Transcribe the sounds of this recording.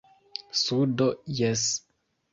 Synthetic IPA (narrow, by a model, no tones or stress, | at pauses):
sudo̞jes